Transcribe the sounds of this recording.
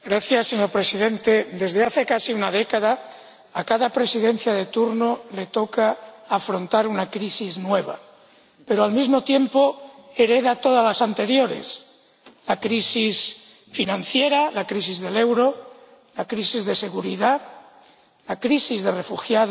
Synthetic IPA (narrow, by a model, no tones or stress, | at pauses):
ɡɾaθjasːeɲo̞ɾpɾe̞siðe̞nt̪e̞d̪e̞zðe̞aθe̞kasiunaðe̞kaðaː | kaðapɾe̞siðe̞n̟θjað̞e̞t̪uɾno̞le̞t̪o̞kaːfɾont̪aɾunakɾisiznwe̞β̞a̰ | pe̞ɾoalmizmo̞t̪je̞mpo̞e̞ɾe̞ðat̪o̞ð̞alasant̪e̞ɾjo̞ɾḛs | lakɾisis | finãnθje̞ɾalakɾisizðe̞le̞wɾo̞ | lakɾisizðe̞se̞ɣuɾiða | lakɾisizðe̞re̞fuxjað